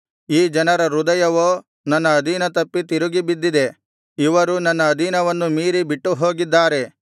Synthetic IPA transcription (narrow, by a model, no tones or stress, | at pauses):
iːd͡ʒɐnɐɾɐɾud̪ɐjɐʋoː | nɐnːɐːd̪ʱinɐt̪ɐpːit̪iɾuɡibid̪ːid̪e̞ | iʋɐɾunɐnːɐːd̪ʱinɐʋɐnːumiːɾibiʈːuɦo̞ːɡid̪ːaːɾe̞